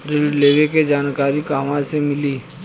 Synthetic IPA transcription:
ɾɪɖleːʋeked͡ʒaːnkaːɾikaːmasemɪliː

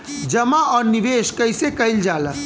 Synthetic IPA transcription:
d͡ʒəmaɔːɾniʋeːʃkəɪsekəɪld͡ʒaːlə

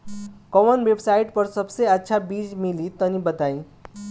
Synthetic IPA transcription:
kɔmənwebsaiʈ̚pʌɾsʌbseətːʃʰabid͡ʒmilit̪ʌnibət̪aĩ

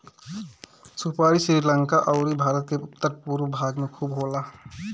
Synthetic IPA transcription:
supaːɾisɾiːɾləŋkaʔɔʊɾibʱaːɾət̪̚keʊpt̪ːəɾpuːɾbʱaːɡmẽkʰuːbɦoːlaː

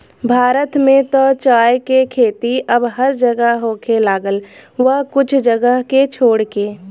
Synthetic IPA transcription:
bʱaːɾət̪mẽt̪ot͡ʃaːjkekʰeːt̪iəbɦəɾd͡ʒəɡəɦɦoːkelaːɡəlʋəɦkʊt͡ʃʰd͡ʒəɡəɦket͡ʃʰoːɽkeː

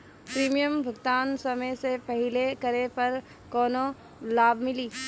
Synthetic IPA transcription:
pɾiːmijəmbʱɐɡt̪aːnsɐməjsepɐɦɪlekɐɾepɐɾ | kɔːno | laːbʱmɪliː

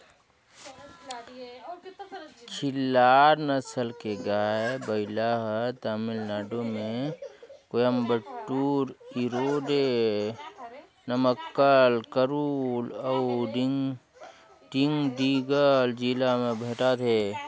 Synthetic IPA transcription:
t͡ʃʰɪlːaːɾnəsəlkeɡaːebəɪlaɦt̪aːmɪlnaːɖomẽ | kojəmbəʈːuːɾiɾoːɖe | nəməkːəlkəɾuːləŋ | ɖiŋɡɖiːɡəld͡ʒilamẽbʱeʈat̪ʰeː

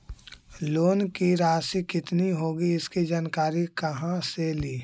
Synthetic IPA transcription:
loːnkiɾaːsikɪt̪niɦoːɡiɪskid͡ʒaːnkaːɾikəɦãseliː

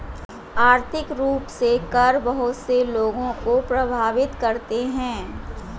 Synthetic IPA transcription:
aːɾt̪ʰɪkɾuːpsekɐɾbɐɦʊt̪seloːɡõkopɾɐbʱaːʋɪt̪kɐɾt̪eɦɛ̃ː

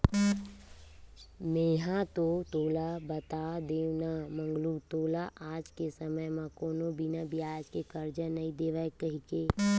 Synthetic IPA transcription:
meːɦãt̪ot̪oːlabət̪ad̪eːnamə̃ŋɡlut̪oːlaʔaːd͡ʒkesəməjmãkoːnobinabʱiaːd͡ʒkekəɾd͡ʒənəĩd̪eːʋəkəɦike

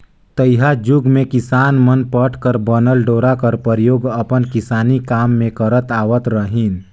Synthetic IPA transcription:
t̪əjɦad͡ʒʊɡmẽkɪsaːnmənpəʈʰkəɾbənəlɖoːɾakəɾpəɾjoːɡəpənkɪsaːnikaːmːẽkəɾət̪aːʋət̪ɾəɦin

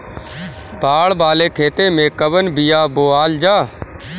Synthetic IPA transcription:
bʱaːɭbaːleːkʰeːt̪eːmẽkəbənbɪjaːboːaːld͡ʒaː

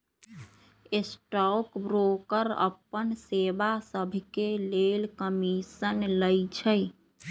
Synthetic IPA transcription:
esʈɔkbɾokəɾə̰pənsebasəbʱkelelkəmisənləjt͡ʃʰəj

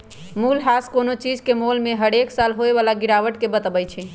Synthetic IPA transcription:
mulɦaskonot͡ʃid͡ʒkemolmeɦəɽeksalɦoeʋalaɡiɽaʋəʈkebət̪əbɛjt͡ʃʰi

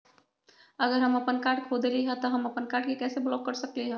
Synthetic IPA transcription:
əɡəɾɦəməpənkaːɾʈkʰod̪eliɦɛ̃t̪ɔɦəməpənkaːɾʈ̚kekɛːseblɔːb̚kəɾsəkliɦɛ̃

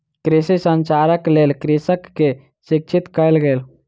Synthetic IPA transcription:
kɾisisə̃nt͡ʃaːɾəkleːlkɾisəkːe | sɪk̚t͡ʃʰit̪kəlɡeːl

